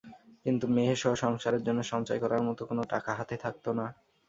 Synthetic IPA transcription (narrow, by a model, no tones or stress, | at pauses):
kint̪umeɦeʃɔɦoʃɔŋʃaɾeɾd͡ʑonːoʃɔŋt͡ɕajkɔɾaɾmɔt̪okonoʈa̰kaɦat̪et̪ʰak̚t̪ona